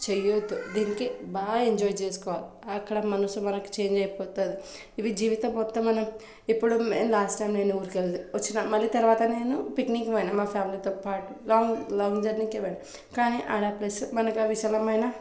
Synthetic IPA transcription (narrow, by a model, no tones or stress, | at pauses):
t͡ʃejod̪ud̪iːnikibaːeɲd͡ʒɔːjt͡ʃeːsu̥kɔːʋaːliɐkːɐɽɐmɐnɐsumɐnɐku̥t͡ʃe̞ːɲd͡ʒɐjpɔːt̪ond̪i | iʋid͡ʒiːʋit̪ɐmːɔt̪ːɐmːɐnɐm | ipːuɽumeːmlaːsʈʈɐjmne̞ːnuuːɾkeld̪uʋɐt͡ʃːinamɐlːit̪ɐɾʋaːt̪ɐne̞ːnupikniŋkɐmɐjnɐmaːpʰjaːmilit̪ɔːpaːʈulɔːŋlɔːŋd͡ʒɐɾniŋkeʋɐɽi | kaːniʔaɾaplɐsmɐnɐkɐʋiʃɐlɐmɐjnɐ